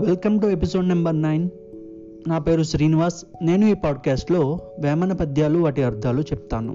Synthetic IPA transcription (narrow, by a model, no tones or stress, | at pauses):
ʋelkɐmʈuepiso̞ːɖnɐmbɐɾnɐjn | naːpe̞ːɾusɾiːniʋaːs | ne̞ːnuiːpaːɖ̚kaːsʈlo̞ːʋɛːmɐnɐpɐd̪ʱjaːluɐːʈiɐɾd̪ʱaːlut͡ʃɛp̚t̪aːnṵ